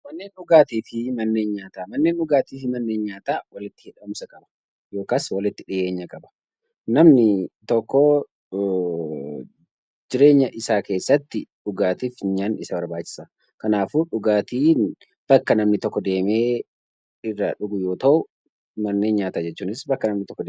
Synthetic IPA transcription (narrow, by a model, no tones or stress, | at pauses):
mɐnːe̞ːnᶑʊɡaːt̪iːfɪmɐnːe̞ːnɲaːt̪aːmɐnːe̞ːnʔʊɡaːt̪iːfɪmɐnːe̞ːnɲaːt̪aːwɐlɪt̪ːɪ̥hɪᶑɐmsɐkʼɐbɐ̥ | jo̞ːkaːswɐlɪt̪ːɪᶑɪje̞ːɲːɐkʼɐbɐ̥ | nɐmnɪt̪ɔkːɔ | d͡ʒɪɾe̞ːɲːɐʔɪsaːke̞ːsːɐt̪ːɪᶑʊɡaːt̪iːfɲɐnɪsɐbɐɾbaːt͡ʃːɪ̥sɐ | kɐnaːfʊᶑʊɡaːt̪iːn | b̥ɐkːɐnɐmnɪt̪ɔkːɔd̪e̞ːme̞ː | ɪrːa̰ːᶑʊɡʊjo̞ːt̪ɐʔʊ | mɐnːe̞ːnɲaːt̪aːd͡ʒɛt͡ʃːuːnɪsbɐkːɐnɐmnɪt̪ɔkːɔd̪